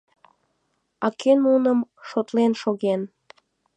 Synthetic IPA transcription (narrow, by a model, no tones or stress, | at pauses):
ɑkʰenunəmʃot̪lenʃoɣen